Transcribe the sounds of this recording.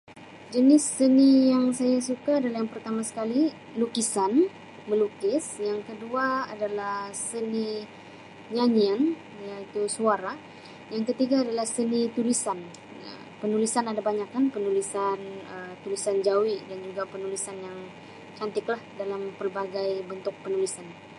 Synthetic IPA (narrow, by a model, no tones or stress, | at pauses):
d͡ʒənɪsːənijaŋsajasukaːdalahjaŋpərt̪amasə̥kali | lukisan | məlukɪsjaŋkəduaa̰dalahsəni | ɲaɲian | jait̪usuaɾa | jaŋkət̪iɡaːdalahsənit̪ulisan | ə̰ | pənulisanadabaɲakanpənulisanət̪ulisand͡ʒawidand͡ʒuɡapənulisanjaŋ | t͡ʃant̪ɪklahdalampərbaɡajbənt̪ʊk̚pənulisan